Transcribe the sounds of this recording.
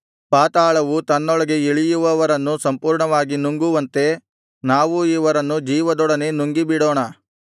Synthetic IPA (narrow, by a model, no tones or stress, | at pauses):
paːt̪aːɭɐʋut̪ɐnːɔɭɐɡe̞eɭijuʋɐʋɐɾɐnːusɐmpuːɾɳɐʋaːɡinuŋɡuʋɐnt̪e̞ | naːʋuiʋɐɾɐnːud͡ʒiːʋɐd̪ɔɽɐne̞nuŋɡibiɽoːɳɐ